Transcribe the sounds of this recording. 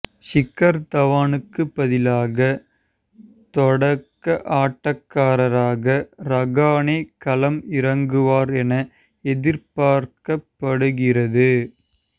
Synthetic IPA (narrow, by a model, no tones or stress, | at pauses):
ʂɪkːɐɾt̪ɐʋaːnɯkːɯpːɐðɪlaːɣɐ | t̪ɔɽɐkːɐʔaːʈːɐkːaːɾɐɾaːɣɐɾɐɣaːneːkɐlɐmɪɾɐŋɡɯʋaːɾɛnɐ | ɛðɪɾpaːɾkɐpːɐɽɯɣɪrɐðɯ